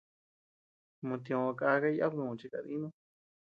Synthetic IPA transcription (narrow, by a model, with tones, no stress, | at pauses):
mõ˧t̪ĩ˧õ˧a˧ka˧ka˦i˦a˦knũ˨˧t͡ʃi˦˧ka˧˨ðĩ˦nõ˦